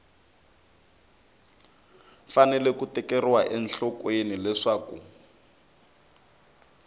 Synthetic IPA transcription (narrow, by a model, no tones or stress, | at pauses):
fanɛlɛkutɛkɛriwaʔɛnɬɔkwenilɛʂaːku